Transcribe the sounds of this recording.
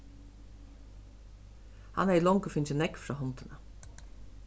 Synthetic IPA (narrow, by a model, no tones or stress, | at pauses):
ha̰næilɔŋkəfɪnt͡ɕənɛkfɾaːɦɔnt̪ɪna